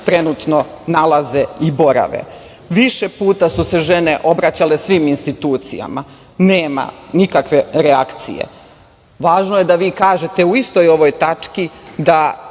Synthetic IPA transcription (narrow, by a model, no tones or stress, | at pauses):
t̪ɾe̞nut̪no̞ | nalˠaze̞ibo̞ɾa̰ʋḛ | ʋiʃepuːt̪asuse̞ʒe̞ne̞ʔo̞bɾat͡ɕale̞sʋiːminst̪it̪uːt̪sḭja̰ma | neːma̰nikakʋe̞ɾeakt̪sḭjḛ | ʋaːʒnoje̞d̪aʋiːkaːʒe̞t̪e̞uist̪ojo̞ʋo̞jt̪at͡ʂkid̪a